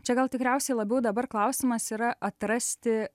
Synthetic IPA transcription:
t͡ʃʲɛɡɐlˠt̪ʲɪkɾʲɛʊsʲɛɪlˠɐbʲɛʊd̪ɐbɐrklˠɐʊsʲɪmɐsiːɾɐʔɐt̪ɾɐsʲt̪ʲɪ

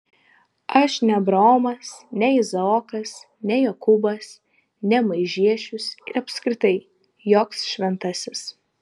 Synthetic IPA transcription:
ɐʃnʲɛbɾoːmɐsnʲɛɪzɐoːkɐs | nʲɛjɛkʊbɐs | nʲɛmɐɪʒʲiɛʃʲʊsɪ̰ɾɐpʲskɾʲɪt̪ɐɪ | joːksʃʲʋʲɛnt̪ɐsʲɪs

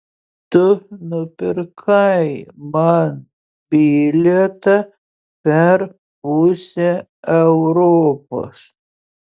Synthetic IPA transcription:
t̪ʊnʊpʲɪɾkʰɐjmɐn | bʲiːlʲɛt̪ɐ | pʲɛɾ | usʲe | ɛʊɾoːpo̰s

